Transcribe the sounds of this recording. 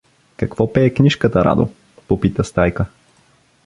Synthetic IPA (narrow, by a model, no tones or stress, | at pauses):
kɐkvɔpɛːknʲiʃkət̪əɾa̰d̪o̰ | popit̪əst̪ajkə